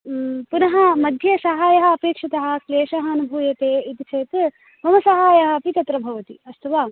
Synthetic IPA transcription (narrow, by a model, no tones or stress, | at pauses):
punɐɦɐ̆mɐd̪ʱjɐsɐɦaːjɐɦɐːpeːkʂɐt̪ɐɦɐ̆kleːʃɐɦɐɐnubʱuːjɐt̪eːit̪it͡ʃʰɐːt̪ | mɐmɐsɐɦaːjɐɦɐ̆pit̪ɐt̪ɾɐbʱɐʋɐt̪ḭɐst̪ɐʋaː